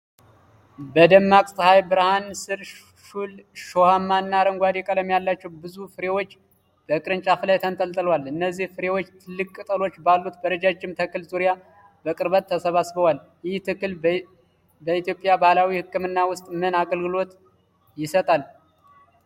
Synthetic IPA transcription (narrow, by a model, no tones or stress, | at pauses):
bəd̪əmːakʼsəhajbɨɾahansɨɾ | ʃulʃohamːanːaɾəŋɡʷwad̪ɛkʼələmjalːat͡ʃːɛwbɨzufɨɾe̞wot͡ʃː | b̥əkʼɨɾɨnt͡ʃʼafɨlajt̪ʰənt̪ʼəlt̪ʼɨlwalɨnːəzːihfɨɾe̞wo̞t͡ʃːt̪ʰɨlːɨkʼːɨt̪ʼəlo̞t͡ʃːbalːut̪bəɾəd͡ʒad͡ʒːɪmt̪ʰəkːɨlzuɾja | bəkʼɨɾβət̪ʰːəsəβasβəwal | jɪht̪ʰɨkːɨl | bəit̪jopʼjabahlawihɨkːɨmɨnːawʊst̪ʼmɨnaɡəlɡɨlo̞t̪ | jɪsət̪ʼal